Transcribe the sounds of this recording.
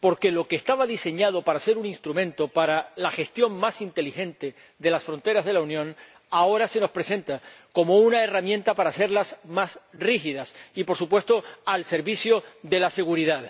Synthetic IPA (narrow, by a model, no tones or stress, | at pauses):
po̞ɾke̞lo̞keːst̪aβaðise̞ɲað̞o̞paɾase̞ɾunĩnst̪ɾumẽ̞nt̪o̞paɾalaxe̞st̪jo̞ŋmasint̪e̞lixe̞nt̪e̞ | ðe̞lasfɾo̞nt̪e̞ɾazð̞e̞launjõ̞n | ao̞ɾase̞no̞spɾe̞sẽ̞nt̪ako̞mo̞unaeramjẽ̞nt̪apaɾase̞ɾlasmasrixiðasipo̞ɾsupwe̞st̪o̞alse̞ɾβiθjo̞ðe̞lase̞ɣ̞uɾiðað